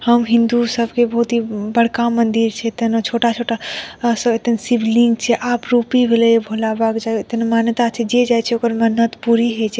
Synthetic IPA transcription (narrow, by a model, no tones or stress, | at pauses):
həmɦind̪usəbʱkebəɦut̪ɦibəɽkamənd̪iɾt͡ʃʰɛet̪ənt͡ʃʰoʈat͡ʃʰoʈasəet̪ənsiblĩŋɡt͡ʃʰɛʔapɾupibʱeleebʱolabəkd͡ʒaet̪ənmant̪at͡ʃʰɛd͡ʒed͡ʒajt͡ʃʰɛokəɾmənət̪puɾiɦet͡ʃʰɛ